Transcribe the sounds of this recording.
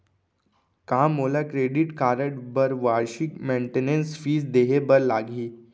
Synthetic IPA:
kãmolakɾeɖiʈkaɾəʈbəɾʋaɾɕikmeɳʈenensfiːzd̪eɦebəɾlaɡʱiː

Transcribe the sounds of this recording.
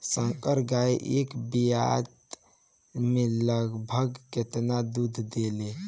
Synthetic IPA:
sə̃ŋkəɾɡaiʔekbija̰t̪ | meləɡbʱəɡket̪nad̪ud̪ʱd̪ele

